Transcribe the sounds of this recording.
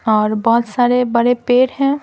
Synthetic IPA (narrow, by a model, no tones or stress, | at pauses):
ɔːɾbɔɦʊt̪saːɾebəɽepeːɾɦɛ̃